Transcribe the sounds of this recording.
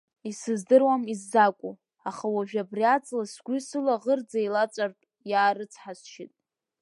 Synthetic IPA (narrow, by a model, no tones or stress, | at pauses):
isɨzdɨrwamizːakʷʼu | aχawaʒᶣabriat͡sʼlasɡʷʏsɨlaʁərd͡zajlat͡sʷʼartʼ | jaːɾɨt͡sʰħasʃɪtʼ